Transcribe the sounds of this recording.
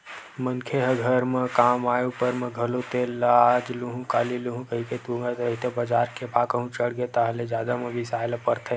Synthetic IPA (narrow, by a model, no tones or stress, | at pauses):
mənkʰeɦəɡʱəɾmekaːmaːjupəɾmẽɡʱəlot̪elaad͡ʒluɦũkaːliluɦũkəɦiket̪ũŋɡat̪əɦit̪ebəd͡ʒaːɾkebakəɦũt͡ʃəɽɡet̪aɦled͡ʒjaːd̪amẽbʱisaːelapəɾt̪ʰe